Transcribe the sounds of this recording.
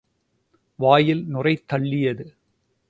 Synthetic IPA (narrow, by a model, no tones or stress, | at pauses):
ʋaːjɪlnʊrɐɪt̪ːɐɭːɪjɐðɯ